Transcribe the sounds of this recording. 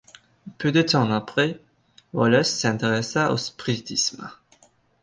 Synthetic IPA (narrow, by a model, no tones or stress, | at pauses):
pød̪ət̪ɑ̃apχɛ | wɔlœsːɛ̃t̪eʁɛsaʔo̰spχit̪ism